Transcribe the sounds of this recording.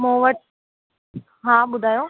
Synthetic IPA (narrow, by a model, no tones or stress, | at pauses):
mõːʋəʈ | ɦãːɓʊd̪ʱaːjoː